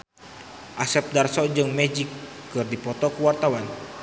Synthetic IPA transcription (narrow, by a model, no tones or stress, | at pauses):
ʔasɛp̚darsɔd͡ʒɨŋmɛd͡ʒikː | ɨrdipɔt̪ɔkuwart̪awan